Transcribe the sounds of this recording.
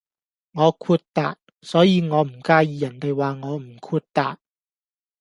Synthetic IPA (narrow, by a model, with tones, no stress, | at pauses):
ŋɔː˨˧kʰuː˧t̚t̪a̰ː˨t̚ | sɔː˨˥jiː˨˧ŋɔː˨˧m̩˨˩kaː˧jiː˨˧jɐ˨˩nt̪e˨jwaː˨ŋɔː˨˧m̩˨˩kʰuː˧t̚t̪aː˨t̚